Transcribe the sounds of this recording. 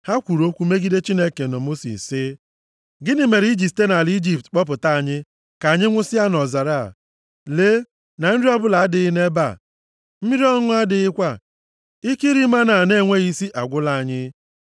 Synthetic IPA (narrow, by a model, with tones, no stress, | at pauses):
ha˦kʷu˨ɾo˦kʷu˦me˦ɡi˦de˦t͡ʃi˦ne˦ke˨no˨mo˦sḭ˨sɪ˦ | ɡɪ˦nɪ˨me˨ɾi˦d͡ʒi˨p̚te˦na˨li˦d͡ʒi˨ptk͡pɔ˦pʊ˨ta˦˨a˨ɲɪ˦ | ka˨a˨ɲɪ˦ŋʷʊ˦sɪ˦a˦nɔ˨za˨ɾa˦a̰˨ | leː˦ | na˨n̩˦di˦ɔ˦bʊ˦la˨a˦dɪ˨˦ne˦ba̰˨ | m̩˦mi˦ɾi˦ɔ˦ŋʊ˦a˦dɪ˨ɪ˦kʷa˦˨ | ɪ˦ki˦ɾi˦ma˦na˨ne˦˨ŋʷe˦ɣi˦si˦ʔa˨ɡʷʊ˦la˦a˨ɲɪ˦